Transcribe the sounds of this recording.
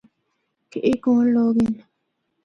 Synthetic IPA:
keʔikũloɣin

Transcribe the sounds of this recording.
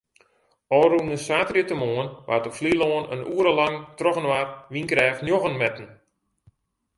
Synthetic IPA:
ɔːrunəsaːtriətəmoːənʋʔa̰təfliloːənə̰nuːəɾəlaŋtroxənʋarʋinkrɛːfnjoxənmɛtn̩

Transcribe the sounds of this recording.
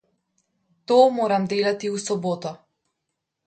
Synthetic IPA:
t̪ɔːmɔɾamd̪elat̪iusɔbɔt̪a

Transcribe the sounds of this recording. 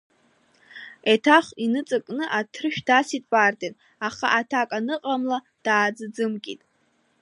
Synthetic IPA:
etʰaχinɨt͡sʼɨkʼnɨʔatʰrɨʃᶣdasitʼbʼardʼen | aχa̰ʔatʰakʼanɨqʼamla | d̥aːd͡zɨd͡zɨmkʲʼḭtʼ

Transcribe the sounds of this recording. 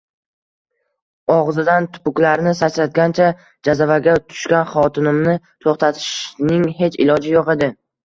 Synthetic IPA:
ɒʁzɪd̪ant̪ʰʊ̥pʊkʲlaɾnɪsat͡ʃlat̪̚ɡʲant͡ʃʰa | d͡ʒazavaɡʲat̪ʰʊ̥ʃkʲanχɒt̪ʰɪnɪmnɪ | t̪ʰoχt̪ʰat̪ʰɪ̥ʃnɪŋɦe̞t͡ʃɪlɒd͡ʒɪjɒʁɨd̪ɪ

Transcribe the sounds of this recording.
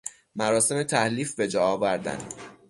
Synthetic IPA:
mæɾɒːse̞me̞t̪ʰæhliːfbe̞d͡ʒɒːɒːvæɾd̪æ̰nd̪

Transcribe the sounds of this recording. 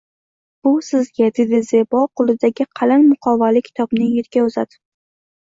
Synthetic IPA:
b̥ʊsɪzɡʲad̪ed̪ɪzebɒqʊlˠɪd̪aɡʲɪqʰɑlanmʊqʰɒvalɪkʲʰɪ̥t̪ʰɒbnɪjeɾɡʲaʊzad̪ɪ

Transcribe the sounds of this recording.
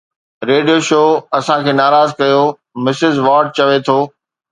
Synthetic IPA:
ɾeːɖijoʃoːɐsãkʰeːnaːɾaːzkɐjoː | mɪsɪzʋaːɾɖ̚t͡ɕɐʋet̪ʰoː

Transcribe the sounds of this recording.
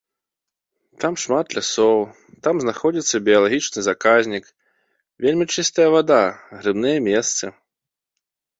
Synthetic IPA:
t̪amʂmat̪lʲasɔw | t̪amznaxɔd͡zʲit̪sːɐbʲijɐlˠaɣʲit͡ʂnɨzakazʲnʲik | vʲelʲmʲit͡ʂɨst̪ɐjɐvad̪aɣɾɨbnɨjɐmʲɛst̪sɨ

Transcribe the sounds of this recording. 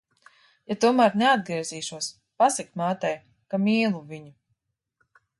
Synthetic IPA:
jat̪uɔmaːɾnɛad̪̚ɡɾiɛziːʃuɔs | pasikmaːt̪ɛj | kamiːlˠuviɲu

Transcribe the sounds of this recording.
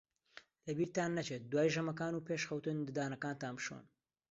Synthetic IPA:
lɐbiːɾt̪aːnːɐt͡ʃet̪̚d̪waːjʒɐmɐkaːnuːpeʃxɐwt̪ɨnd̪ɨd̪aːnɐkaːnt̪aːmbʃo̰n

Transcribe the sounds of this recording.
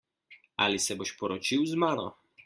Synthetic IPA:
a̰lisɛboʃpɔɾɔt͡ʃiwzmaːnɔ̰

